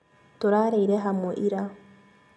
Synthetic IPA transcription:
toɾaɾeiɾɛɦamwɛʔiɾa

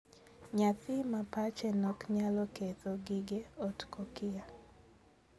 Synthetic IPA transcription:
ɲat̪ɪmapat͡ʃɛnɔkɲalɔket̪ɔɡiɡeɔtkɔkɪa

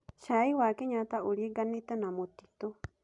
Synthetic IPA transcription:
ʃajwaːkeɲãt̪aʔuɽiɡanːit̪ːənamot̪ːit̪o

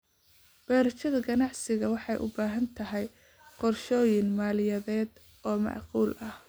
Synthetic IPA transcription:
b̥ɛːɾɐt͡ʃɐðɐɡɐnɑʕsɪɣɐwɑħɑjʔʊ̰baːɦɐnt̪ʰɐɦɛj | qɔrʃɔːjɪnmaːlɪjɐðɛːd̪ | ʔɔːmɑ̰ʕquːlʔɐh

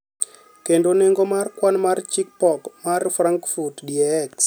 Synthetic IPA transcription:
kendoneŋɡomarkwanmart͡ʃik̚pɔkmarfraŋkfurtdiɛks

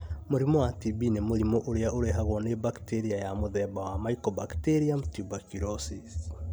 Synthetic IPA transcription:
moɾimowatibinemoɾimoʔoɾeaʔoɾeɦaɣwɔnebakteɾiajamoðɛbawamaikɔbakteɾiamtubakiɾɔsis

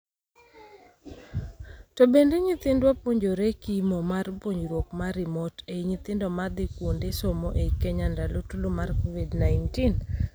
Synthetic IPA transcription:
tɔbendeɲɪt̪ɪndwapwoɲd͡ʒoɾekimomarpwoɲd͡ʒɾwokmaɾɪmɔteiɲɪt̪ɪndɔmad̪ɪkwondesomoʔeikeɲandalotulomarkovidnaɪntin

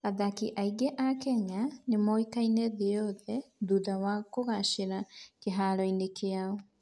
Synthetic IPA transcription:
aðakiʔaiɡeʔakɛɲanemɔikainɛðeɔðɛðuːðawakoɣaʃeɾakeɦaɾɔinekʰeaɔ

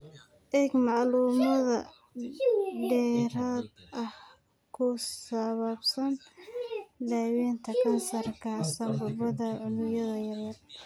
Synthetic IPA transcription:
ʔɛːɡmɑʕluːmɐðɐ | dɖɛːɾaːd̪ʔɐh | kʰʊsɐβɐbsɐn | d̪aːwiːnt̪ʰɐkʰɐnsɐrkʰasɐmbʊβɐðɐʕʊnʊjɐðɐjɐrjɐr

